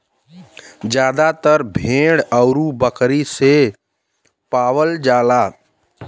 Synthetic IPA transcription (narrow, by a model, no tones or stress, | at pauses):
d͡ʒjaːd̪at̪əɾbʱẽːɽəʊɾubəkɾise | paːwəld͡ʒaːlaː